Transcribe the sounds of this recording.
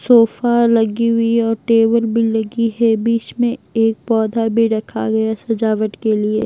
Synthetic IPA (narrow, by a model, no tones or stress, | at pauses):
soːfalɐɡiɦʊiɔːɾʈeːʋəlbʱilɐɡiɦɛbiːt͡ʃmẽeːk̚pɔːd̪ʱabʱiɾɐkʰa̰ɡɐjasɐd͡ʒaːʋəʈkelie